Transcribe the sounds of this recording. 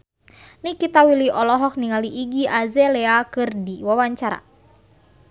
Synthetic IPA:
nikit̪awiliʔɔlɔɦɔk̚niŋaliʔiɡiʔazɛlɛakɨrdiwawaɲt͡ʃaɾa̰

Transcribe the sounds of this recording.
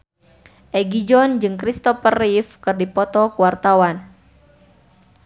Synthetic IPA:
ʔɛɡid͡ʒɔnd͡ʒɨŋkɾist̪ɔfərifkɨrdipɔt̪ɔkuwart̪awan

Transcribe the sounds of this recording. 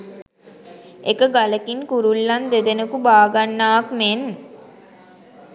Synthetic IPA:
ekəɡaləkiŋkuɾulːɐnd̪ed̪enəkubaːɡanːaːkmen

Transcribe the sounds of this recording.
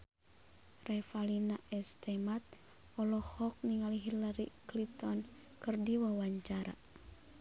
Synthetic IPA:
rɛfalinaʔɛst̪ɛmat̪̚ | ɔlɔhɔk̚niŋaliɦilaɾiklit̪ɔn | kɨrdiwawaɲt͡ʃaɾa̰

